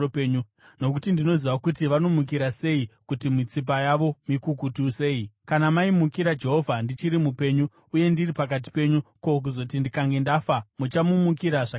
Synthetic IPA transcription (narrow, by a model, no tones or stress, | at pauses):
peɲu | no̞kutindino̞ziʋakutiʋanomuk̬iɾase̞ikutimit͡sip̬ajaʋo̞mikukutuse̞ːikanamaimukiɾad͡ʒe̞ɦo̞vʱandit͡ʃiɾimupe̞ɲu | uje̞ndiripak̬at̬i̥pe̞ɲuko̞k̬uzo̞tindikaŋɡe̞ndafamut͡ʃamumukiɾaʐak